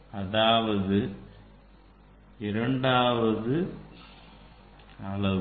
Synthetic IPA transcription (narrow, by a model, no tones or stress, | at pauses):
ɐðaːʋɐðɯ | ɪɾɐɳɖaːʋɐðɯ | ɐlɐ